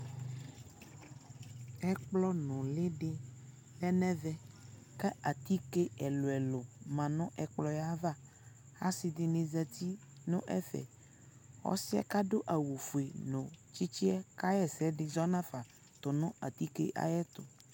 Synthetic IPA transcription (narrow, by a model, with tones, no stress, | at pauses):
ɛ˦k͡plɔ˦nɔ̃˨le˦ɖɪ˦ | lɛ˦nɛ̃˦vɛ˦ | kɛ˦ʔa˨t̪i˦ke˦ɛ˨lo˨ɛ˨lo˨mã˨nɔ̃˦ʔɛ˨k͡plɔ˨ja˦va˦˨ | ha˦si˨d̪ɪ˨nẽ˨zɛ˨t̪i˦nõ̰˦ʔɛ̰˦fɛ̰˨ | wɔ̰˦si˦ɛ̰˦ka˦ɖo˦ʔa˨wu˨fu˨e˨nõ˨t͡ɕi˦t͡ɕi˦ɛ˦ka˦jɛ˦sɛ˦ɖɪ˨zɔ˦nã˦fa˨ | t̪o˨nɔ̃˦a˨t̪i˦kḛ˦ʔa̰˨jɛ˦t̪o˨